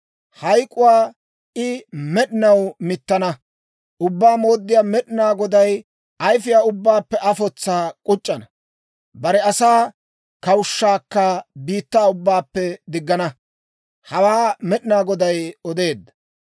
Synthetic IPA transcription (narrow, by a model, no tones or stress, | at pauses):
hɐjkʼʊwaː | ɪmɛɗɪnɐwmɪt̪ːɐnɐ | ʔʊbːaːmo̞ːd̪ːɪjaːmɛɗɪnaːɡɔd̪ɐj | ɐjfɪjaːʊbːaːpːɛʔɐfɔt͡sːaːkʼʊt͡ʃʼːɐnɐ | bɐɾɛɐsaː | kɐwʃːaːkːɐbiːt̪ːaːʊbːaːpːɛd̪ɪɡːɐnɐ | hɐwaːmɛɗɪnaːɡɔd̪ɐjɔd̪e̞ːd̪ːɐ̥